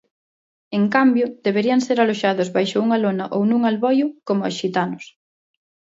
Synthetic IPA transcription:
eŋkambjʊð̥eβeɾiaŋseɾaloʃaðʊzβajʃʊuŋalonaʔownũŋalβɔjʊkomʊasʃit̪anʊs

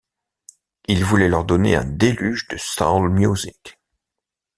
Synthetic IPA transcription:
ilvulɛlœʁd̪ɔnḛɛ̰̃d̪elyʒd̪əst̪a̰lmjuzik

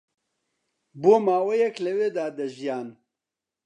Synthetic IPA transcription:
boːmaːwɐjɐklɐweːd̪aːd̪ɐʒijaːn

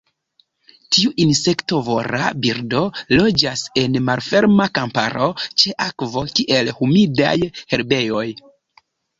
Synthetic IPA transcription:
tiuʔinse̞kto̞vo̞ɾa̰biɾdo̞lo̞d͡ʒase̞nmalfe̞ɾmakampa̰ɾo̞t͡ʃe̞ʔakvo̞kiʔe̞lhumida̰jhe̞ɾbe̞jo̞j

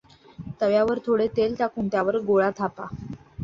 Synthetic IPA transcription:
t̪əʋjaʋəɾt̪ʰoɽet̪elt̪jakuɳt̪jaʋəɾɡoɭat̪ʰapa

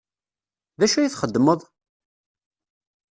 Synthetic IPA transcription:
ðæʃujiθχəd̪ːməðˤ

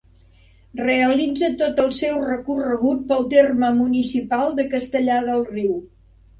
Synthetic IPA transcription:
reəlid͡zət̪ot̪əlˠsɛwrəkurəɣut̪̚pəlˠt̪erməmunisipalˠd̪əkəst̪əʎaðəlˠriw

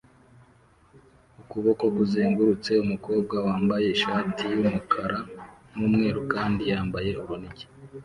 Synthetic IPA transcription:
ukuβo̞ko̞kuziːŋɡuɾut͡se̞umuko̞ːb̚ɡawaːmbaje̞iʃaːtʰijumukʰaɾanuːmŋe̞ːɾukaːndijaːmbaje̞uɾuniɟi̥

